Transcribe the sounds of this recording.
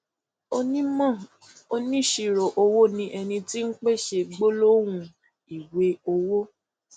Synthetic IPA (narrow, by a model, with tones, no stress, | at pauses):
o˧nĩ˦mã˦˨ | o˧nĩ˦˨ʃi˨ɾo˨ʔo˧wo˦nĩ˧ʔɛ˧nĩ˧ti˦n̩˦k͡pe˦˨ʃe˧ɡ͡bo˦lo˦w̃ũ˧ | i˨we˨˦o˧wo˦